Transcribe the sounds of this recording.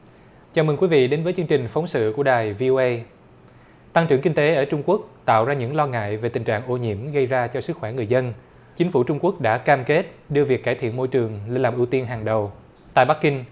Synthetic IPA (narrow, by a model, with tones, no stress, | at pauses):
t͡ɕaː˨˩mɨ˨˩ŋkwi˨˦vḭ˧˨ɗe˨˦nvəː˨˦t͡ɕɨ˧əŋt͡ɕï˨˩ŋ̟fə˨˦wŋ͡msɨ̰˧˨ku˧˩əɗaː˨˩jvi˧ʔo˧ʔə˧j | t̪a˧ŋt͡ɕɨ˧˩ŋki˧ŋ̟t̪e˨˦ʔəː˧˩t͡ɕʊ˧ŋ͡mku˦˥ək̚t̪a̰ː˧˨wzaː˧ɲɨ̰˧˥ŋlɔ˧ŋa̰ː˧˨jve˨˩t̪ï˨˩ŋ̟t͡ɕa̰ː˧˨ŋʔo˧˩ɲḭ˧˩əmɣə˧jzaː˧t͡ɕɔ˧sɨ˦˥k̚xwɛː˧˩ŋɨ˨˩əjzə˧n | t͡ɕï˨˦ŋ̟fu˧˩t͡ɕʊ˧ŋ͡mku˦˥ək̚ɗa̰ː˧˥kaː˧mke˦˥t̚ɗɨ˧vi˨˩əkːaː˧˩jt̪ʰḭ˧˨ənmo̰˧˨jt͡ɕɨ˨˩əŋli˧nlaː˨˩pʔɨ˧˩wt̪i˧ənɦaː˨˩ŋɗə˨˩w | t̪a̰ː˧˨jɓa˦˥kːï˧ŋ̟